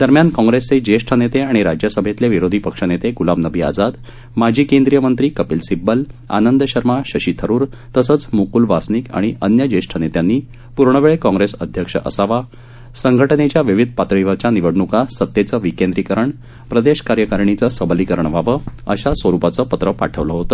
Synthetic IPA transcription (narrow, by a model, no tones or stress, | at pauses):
d̪̥əɾmjankɔ̃ŋɡɾest͡sed͡ʑeʂʈʰənet̪eaɽ̃iɾad͡ʑjasəbʱet̪leʋiɾod̪ʱipəkʂənet̪eɡulamnəbʱiːa̰d͡zad̪ | mad͡ʑʱiːkend̪ɾijəmənt̪ɾiːkəpiːlsibːəla̰nənd̪əɕəɾmaɕəɕiːt̪ʰəɾuːɾt̪əsəːt͡smukuːlʋasnika̰ɽ̃iʔənjəd͡ʑeɕʈʰənet̪janːiː | puɾɳəʋeɭekɔ̃ŋɡɾesəd̪ʱjəkʂə̰ʔə̰saʋa | səŋɡʱəʈənet͡ɕjaʋiʋid̪̚ʱpat̪ɾɭiʋat͡ɕjaniʋəɽɳukasət̪ːjet͡səʋikẽnd̪ɾikəɾəɳ | pɾəd̪eɕkaɾjəkaɾɳit͡səsəbəlikəɾəɳʋ̤ʱaʋəə̰ɕasʋəɾupat͡səpət̪ɾəpa̰ʈʰəʋləɦot̪ə